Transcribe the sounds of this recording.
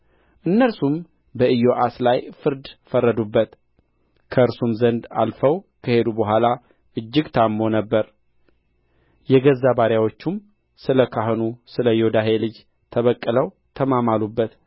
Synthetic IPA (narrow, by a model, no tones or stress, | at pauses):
ʔɨnːəɾsum | bəʔɨjo̞ʔaslajfɨɾd̪fərːəd̪ubːət̪ | kʰəɨɾsumzənd̪a̰lfəwkʰəhe̞d̪ubəɦʷala | ʔɨd͡ʒːɪɡt̪ʰamːo̞nəbːəɾ | jɛɡəzːabaɾjawo̞t͡ʃːum | sɨləkʰaɦnusɨləjod̪aɦe̞lɨd͡ʒ | t̪ʰəβəkʼːələw | t̪ʰəmamalubːət̪